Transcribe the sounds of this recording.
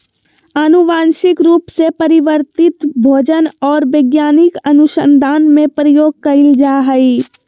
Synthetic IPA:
ənuʋaːnʃɪkɾuːpsepəɾɪʋəɾt̪ɪt̪bʱoːd͡ʒənɔːɾʋeɡjaːnɪkɐnʊʃə̰nd̪ʱaːnmẽpɾəjoːɡ̚kɐɪld͡ʒaːɦəi

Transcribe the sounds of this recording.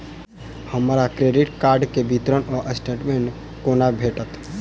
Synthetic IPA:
həmɾakɾeɖiʈkaːɾɖkebʱit̪ɾənɔɾʔəsʈeʈmẽɳʈ | koːnabʱeːʈət̪

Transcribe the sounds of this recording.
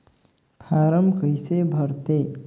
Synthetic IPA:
pʰaɾəmkəjsebʱʌɾt̪e

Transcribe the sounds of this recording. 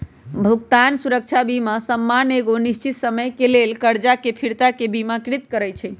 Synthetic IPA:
bʱuɡt̪ansuɾək̚t͡ʃʰabimasəmːaneɡonist͡ʃit̪səməjkelelkəɾd͡ʒakepʰiɾt̪akebimakɾit̪kəɾəjt͡ʃʰɛ

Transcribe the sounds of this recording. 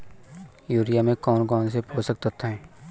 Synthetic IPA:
juːɾijamẽkɔːnkɔːns̬epʰoːsək̚t̪ət̪ɛː

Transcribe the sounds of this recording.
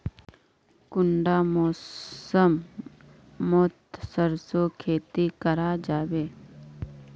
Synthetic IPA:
kʊɳɖamoːəmː | oːt̪səɾsokʰeːt̪ikəɾad͡ʒaːweː

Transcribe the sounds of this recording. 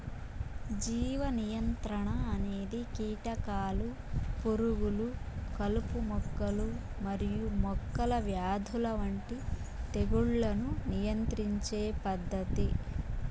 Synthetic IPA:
d͡ʒiːʋɐnijɐnt̪ɾɐɳɐːne̞ːd̪ikiːʈɐkaːlu | poɾuɡulukɐlupumɔkːɐlu | mɐɾijumɔkːɐlɐʋjaːd̪ʱulɐʋɐɳʈi | t̪eɡuɭːɐnunijɐnt̪ɾiɲt͡ʃeːpɐd̪ːɐt̪i

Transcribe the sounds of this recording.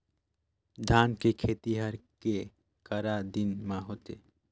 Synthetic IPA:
d̪ʱaːnkekʰeːt̪iɦəɾke | kəɾad̪inmãɦot̪ḛ

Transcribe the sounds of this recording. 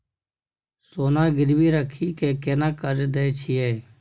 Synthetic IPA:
soːnãːɡɪɾʋiːɾəkʰiːkeːkeːnãːkəd͡ʒed̪eːt͡ʃʰiːɛː

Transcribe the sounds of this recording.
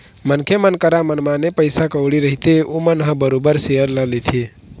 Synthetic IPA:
mənkʰemənkəɾamənmãnepəjsakəwɽiɾəɦit̪eomənɦə̃bəɾobəɾseəɾləlit̪ʰe

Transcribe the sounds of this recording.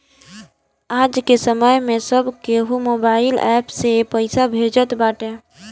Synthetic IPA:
aːd͡ʒkesəməjmẽsəbkeɦumoːbaːɪlɛ̰ːpsepəɪsabʱed͡ʒət̪baːʈẽ

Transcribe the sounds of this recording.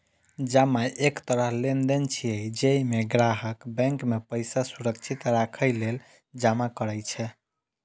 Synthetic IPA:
d͡ʒamaʔekt̪əɾəɦlend̪ent͡ʃʰiəjd͡ʒeimeɡɾaɦəkbɛ̃ŋkmepəjsasuɾək̚t͡ʃʰit̪ɾakʰəjlel | d͡ʒamakəɾəjt͡ʃʰɛ

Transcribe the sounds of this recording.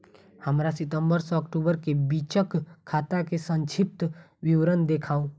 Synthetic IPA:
həmɾasɪt̪ə̃mbəɾsɔːkʈuːbəɾkebiːt͡ʃəkʰːaːt̪akesə̃nt͡ʃʰɪp̚t̪ | wɪʋɾənd̪eːkʰaːõ

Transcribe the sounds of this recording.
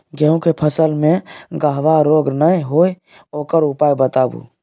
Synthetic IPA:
ɡɛɦũkepʰəsəlmẽɡaɦʋaɾoːɡnəiɦoːi | oːkəɾʊpaːjbət̪aːbṵː

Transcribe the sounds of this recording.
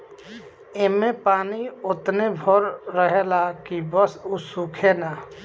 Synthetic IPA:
emẽpaːniʊt̪nebʱoɾːəɦelakibəsusuːkʰena

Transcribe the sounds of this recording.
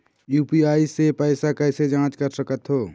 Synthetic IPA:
juːpiaːisepəːsakɛːsed͡ʒãːt͡ʃkəɾsəkət̪ɦoː

